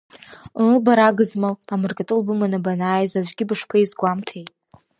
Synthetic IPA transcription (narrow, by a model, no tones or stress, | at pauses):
baɾaɡɨzmalamɨrkʼatʼɨlbɨmanabanaːjzaʒʷɡʲɪbɨʂpʰaizɡʷamtʰejtʼ